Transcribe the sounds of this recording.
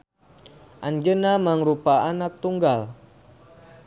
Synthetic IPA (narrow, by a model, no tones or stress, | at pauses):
ʔaɲd͡ʒənamaŋɾupaanat̪uŋɡal